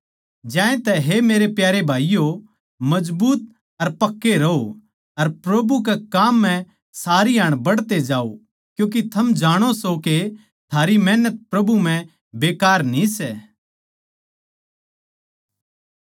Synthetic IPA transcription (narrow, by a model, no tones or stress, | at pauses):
d͡ʒãːẽt̪ɛɦemeːɾepjaːɾebʱaːijo | mɐd͡ʒbuːt̪̚ | ɐɾpɐkːeɾɐo | ɐɾpɾɐbuk̬ekaːmːɛ̃ | saːɾiaːɽ̃bɐɽt̪ed͡ʒaːo | kjũːk̬it̪ʰɐmd͡ʒaːɽ̃osoke | t̪ʰaːɾimɛːnət̪̚pɾɐbʱum̤ɛ̃ | beːkaːɾnĩsɛː